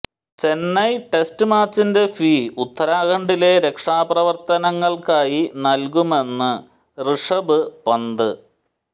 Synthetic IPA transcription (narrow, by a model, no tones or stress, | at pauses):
t͡ɕe̞nːɐjʈestɨmaːt͡ɕːinde̞fiːut̪ʰːɐɾaːɣɐɳɖile̞ɾe̞kʂaːprɐʋɐrt̪ɐnɐŋːɐɭkaːjinɐlkume̞nːɨ | rɨʂɐbɨpɐnd̪ɨ